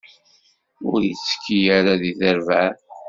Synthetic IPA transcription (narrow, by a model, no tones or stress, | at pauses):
ʊɾjə̰t͡sːə̥kʰːijaɾaðiθəɾvæɾ